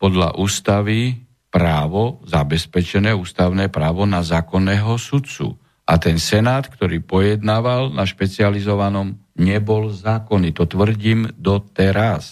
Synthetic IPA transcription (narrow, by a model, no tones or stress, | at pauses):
pɔd̪la̰ʔuːst̪aʋi | pɾaːʋɔzabɛspɛt͡ʃɛnɛːuːst̪aʊnɛːpɾaːʋɔnazaːkɔnːɛːɦɔsut̪t͡sṵ | ʔa̰t̪ɛnsɛnaːt̪kt̪ɔɾiːpɔjɛd̪naːʋalnaʃpɛt͡sializɔʋanɔmɲɛbɔlzaːkɔnit̪ɔt̪ʋr̩ɟiːmd̪ɔt̪ɛɾas